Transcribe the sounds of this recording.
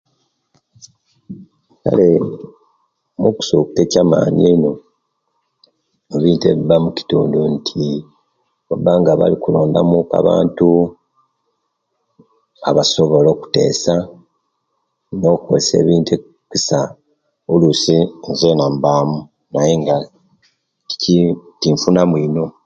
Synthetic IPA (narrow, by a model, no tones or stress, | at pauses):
ka̰le̞ | muku̥suku̥te̞caːma̰ːɲeino̞ | eβiːnteβiβamuci̥tṵːnduntʰi | obaŋɡaβa̰likulo̞ːmdamuka̰βa̰ːntu | aβaso̞βo̞lo̞ku̥te̞̰ːsa | no̞ko̰ese̞̰ːβiːnte | kisa | olusinzenambaːmu | naje̞ŋɡa | itiɱfunamwino̞